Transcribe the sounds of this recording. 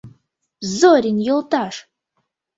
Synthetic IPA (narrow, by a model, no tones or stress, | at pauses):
zoɾʲinjɪltʼaʂ